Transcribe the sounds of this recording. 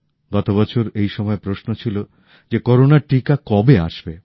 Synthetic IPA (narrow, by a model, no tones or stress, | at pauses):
ɡɔt̪obɔt͡ɕʰoɾejʃɔmɔepɾosnot͡ɕʰilo | d͡ʑekɔɾonaɾʈikakɔbea̰ʃbe